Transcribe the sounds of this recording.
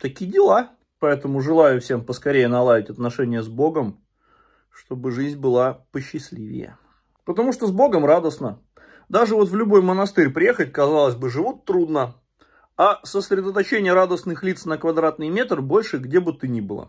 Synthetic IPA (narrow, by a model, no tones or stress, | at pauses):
t̪ɐkʲijdʲɪlˠa | pɐɛt̪əmʊʐɨlˠajʊfsʲempəskɐɾʲejənɐlˠavʲɪtʲɐt̪nɐʂɛnʲɪjəzbo̞ɡəm | ʂt̪o̞bɨʐɨzʲnʲbɨlˠapəɕːɪsʲlʲivʲɪ̰jə̰ | pət̪ɐmuʂt̪ozbo̞ɡəmrad̪əsnə | d̪aʐɨvo̞t̪vlʲʊbo̞jmənɐst̪ɨɾʲpɾʲɪje̞xət̚ʲkɐzalˠəzʲbɨʐɨvut̪tːɾud̪nə | asəsɾʲɪd̪ət̪ɐt͡ɕenʲɪjəɾad̪əsnɨxlʲit̪snəkvɐd̪ɾat̪nɨjmʲe̞t̪rbo̞lʲʂɨɡdʲebɨt̪ɨnʲibɨlˠə̰